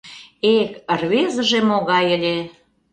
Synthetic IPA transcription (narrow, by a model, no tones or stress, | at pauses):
ekərβezə̆ʒĕmoɣɑjə̆lʲe